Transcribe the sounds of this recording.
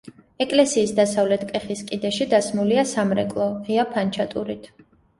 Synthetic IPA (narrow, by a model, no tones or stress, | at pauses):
ɛkʼlɛsiːsd̪asavlɛt̪ʰkʼɛχiskʼid̪ɛʃid̪asmuliasamɾɛkʼlˠɔʁiapʰant͡ʃʰat̪ʼuɾit̪ʰ